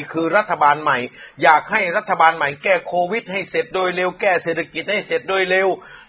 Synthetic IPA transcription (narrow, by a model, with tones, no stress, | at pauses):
kʰɯː˧ɾa˦˥t̪ʰːa˧baː˧nma˨˩jjaː˨˩k̚ha˥˩jɾa˦˥t̪ʰːa˧baː˧nma˨˩˦jkɛː˧˥˩kʰoː˧wi˦˥t̪̚ha˥˩jse˨˩t̪̚doː˧jle˧wkɛː˥˩seː˨˩t̪ʰa˧ki˨˩t̪̚ha˥˩jse˨˩t̪̚doː˧jle˧w